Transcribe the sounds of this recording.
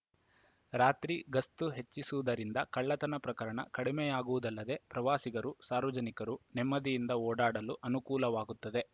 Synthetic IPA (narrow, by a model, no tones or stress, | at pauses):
ɾaːt̪ɾiɡɐst̪uɦe̞t͡ʃːisuʋud̪ɐɾind̪ɐkɐɭːɐt̪ɐnɐpɾɐkɐɾɐɳɐ̰kɐɽimejaːɡuʋud̪ɐlːɐd̪e̞pɾɐʋaːsiɡɐɾusaːɾʋɐd͡ʒɐnikɐɾunɛmːɐd̪ijind̪ɐoːɽaːɽɐluʔɐnukuːlɐʋaːɡut̪ːɐd̪e̞